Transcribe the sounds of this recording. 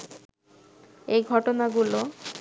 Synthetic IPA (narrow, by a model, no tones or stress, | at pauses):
ejɡʱɔʈonaɡulo